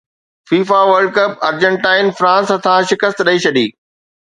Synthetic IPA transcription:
fiːfaʋəɾɖ̚kɐpɐ̰ɾd͡ʑə̃ɳʈaːɪnfɾãːsɦɐt̪ʰaʃɪkəst̪ɗɐit͡ɕʰɐɗiː

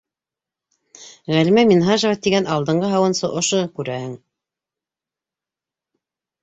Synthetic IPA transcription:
ʁælimæminɦɑʒɑvɑt̪iɡænɑlˠd̪ɤ̆ɴɢɤɦɑwɤ̆nsɤʔŏʃokʉɾæhɘŋ

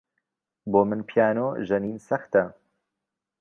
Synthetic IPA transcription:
boːmɨnpʰijaːnoːʒɐniːnsɐxt̪ɐ

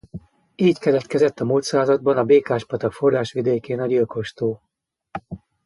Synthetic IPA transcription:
iːckɛlɛt̪kɛzɛt̪ːɒmult̪saːzɒd̪̚bɒnɒbeːkaːʃpɒt̪ɒkforraːʃʋid̪eːkeːnɒɟilko̞ʃt̪oː

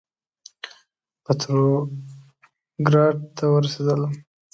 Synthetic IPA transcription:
pat̪ɾo | ɡɾɑɖ̚t̪ʰawəɾased̪əla

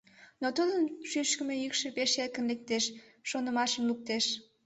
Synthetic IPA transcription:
not̪ud̪ənʃyʃkəmejykʃepeʃet̪̚kənlek̚t̪eʃːonəmɑʃəmluk̚t̪eʃ

